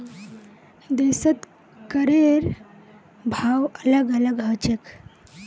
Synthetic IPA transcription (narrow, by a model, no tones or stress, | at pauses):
d̪esət̪ | kəɾeɾ | bʱawələɡələɡɦət͡ɕek